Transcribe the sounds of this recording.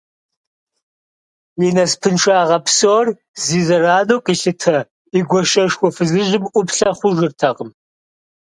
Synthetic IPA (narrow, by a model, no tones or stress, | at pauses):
jinɐspʰɨnʃʷaːʁɐpsoːr | ziːzɐraːnoːqʼiːɬɨtʰɐ | iɡʷɔʃɐʃxʷɔfɨzɨʒɪmʔʷʊpɬɐχʷʊʒɪrtʰɐqəm